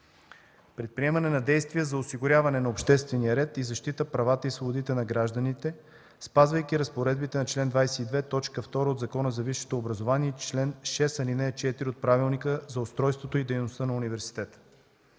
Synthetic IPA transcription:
pɾɛt̪̚pɾiɛmɐnɛnɐd̪ɛjst̪vijəzɐosiɡʊɾʲavɐnɛnɐopʃt̪ɛst̪vɛnijəɾɛt̪izɐʃt̪it̪əpɾɐvat̪əisvobʊd̪it̪ɛnɐɡɾaʒd̪ənit̪ɛ | spazvəjk̟ʲiɾɐspoɾɛd̪bit̪ɛnɐt͡ʃlɛnd̪vajsɛid̪vɛt̪ɔt͡ʃkəft̪ɔɾəod̪zɐkɔnəzɐviʃːi̥t̪oːbɾɐzovaniɛt͡ʃlɛnʃɛsɐlinɛt͡ʃɛt̪iɾʲiot̪̚pɾavilˠnikəzɐost̪ɾɔjst̪vot̪oid̪ɛjnost̪ənɐunivɛɾsi̥t̪ɛt̪ə̥

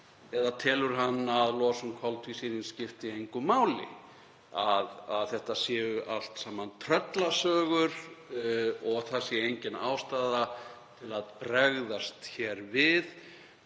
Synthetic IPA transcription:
ɛðat̪ʰɛːlʏɾ̥ɦanːaðlɔːsʏmkʰɔlt̪ʰvisiːɾɪnscɪft̪ɪejŋkʏmaːwlɪ̰ | aðaðθɛht̪asjɛːʏʔal̥t̪saːmːant̪ʰɾœt̪lasœːɣʏɾ | ɔɣθasɪejɲcɪnaːwst̪aːðat̪ʰɪlaðpɾɛɣðast̪çɛɾvɪð

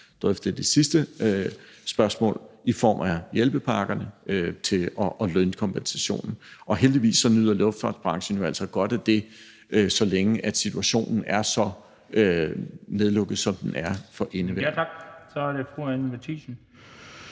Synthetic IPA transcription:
d̥ʁœfd̥d̥e̝sisd̥ə | sb̥ɶɐsmɔ̰̽ːlifɒ̰ːmʔæjelb̥əpʰɑ̈ɡ̥ɐnəʔøt͡sʰe̝ɒʔɒlønkʰɒ̽mpʰensæɕo̝̰ːnn̩ʔɒ̽ɦeld̥iʋḭːsːɒ̽nyð̰ˠɐlɔfd̥fɑ̰̈ːd̥b̥ʁɑ̈ŋɕən̩joæl̰sɒɡ̥ɒ̽d̥æd̥e̝ | øsɒ̽leŋəʔæd̥sit͡sʰuæɕo̝̰ːnn̩æɐsɒ̽ | øneðˠlɔ̽ɡ̥ð̩ˠsɒ̽md̥enæɐfɒ̽ʔe̝nəʋeɡ̥sæɾefuænʋet͡sʰisn̩

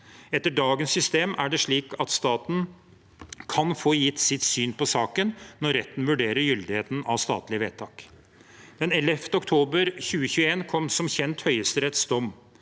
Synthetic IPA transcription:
ɛt̪ːəɖɑːɡənsːʏst̪eːmæɖɛʂɭiːkɑt̪st̪ɑːt̪n̩ | kʰɑnfoːjɪt̪ːsɪt̪syːnpɔsɑːkənnɔɾɾɛt̪ːn̩ʋʉɖeːɾəɾjʏld̪ɪheːt̪n̩ɑʋst̪ɑ̰ːt̪lɪəʋḛːt̪ʰɑːk | d̪ɛnɛlɛft̪əɔkt̪ʰoːbəɾçʉːəçʉːəeːnkʰɔmsɔmçɛnt̪hœʏəst̪əɾɛt̪sd̪ɔm

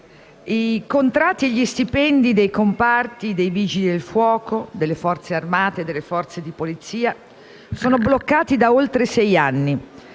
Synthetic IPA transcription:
ikont̪ɾat̪ːieʎːist̪ipɛnd̪id̪ejkompart̪id̪ejviːd͡ʒid̪elfwɔːkod̪elːefɔrt̪searmaːt̪ed̪ːelːefɔrt̪sed̪ipolit̪siːa | soːnoblokːaːt̪id̪aolt̪ɾesɛjanːi

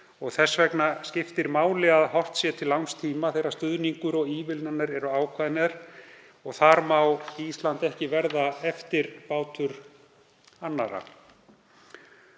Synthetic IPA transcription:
ɔɣθɛsːvɛknascɪft̪ɪɾmaːwlɪɣaðɦɔr̥t̪sjɛt̪ʰɪlːawnst̪ʰiːmaθejɾḁst̪ʏðniŋkʏɾɔɣiːvɪlnanːaɾɛɾʏaːwkʰvaðnɪɾ̥ | ɔɣθaɾmawist̪lant̪ɛhcɪvɛɾðaɛft̪ɪɾpaːwt̪ʰʏɾ | anːaɾa̰

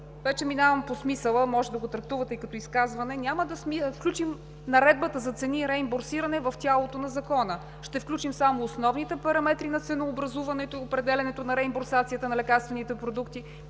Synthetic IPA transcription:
vɛt͡ʃɛminavəmposmisəlˠəmɔʒɛd̪ɐɡot̪ɾɐk̚t̪uvət̪ɛikɐt̪ɔiskazvɐnɛnʲaməd̪ɐsmifklʲut͡ʃim | nɐɾɛd̪̚bət̪əzɐt̪sɛniɾɛimboɾsiɾɐnɛvɐft̪ʲalˠot̪onɐzɐkɔnə | ʃt̪ɛfklʲut͡ʃimsamoːsnɔvnit̪ɛpɐɾɐmɛt̪ɾinɐt̪sɛnoːbɾɐzuvɐnɛt̪oiopɾɛd̪ɛlʲɛnɛt̪onɐɾɛimboɾsat̪sijət̪ənɐlɛkaɾst̪vɛnit̪ɛpɾod̪ukt̪i

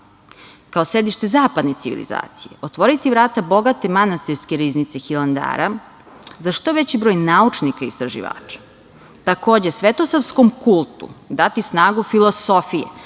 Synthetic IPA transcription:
kaosed̪iʃt̪e̞zaːpad̪net̪iʋḭlḭza̰ːt̪sije̞̰ot̪ʋo̞ɾit̪iʋɾaːt̪abo̞ɡat̪e̞manast̪iɾskeɾiznit̪sexilˠand̪a̰ːɾa | zaʃt̪o̞ʋet͡ɕibɾojnaut͡ʃnikaist̪ɾaʒḭʋa̰ːt͡ʃḁ | t̪ako̞ːd͡ʑe̞sʋet̪o̞saʋskomkulˠt̪ṵd̪at̪isnaːɡufilˠo̞so̞fijḛ

